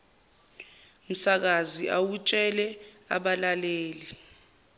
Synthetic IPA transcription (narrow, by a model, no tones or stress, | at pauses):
m̩sak̬aziʔawut͡ʃʼɛlɛ | a̰ɓalaleːli